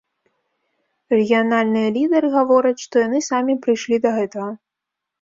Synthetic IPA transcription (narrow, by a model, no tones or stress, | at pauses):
rɛɣʲijanalʲnɨjɐlʲid̪ɛɾɨɣavɔɾɐt͡sʲʂt̪ɔjanɨsamʲipɾɨjʂlʲid̪ɐɣɛt̪ɐɣɐ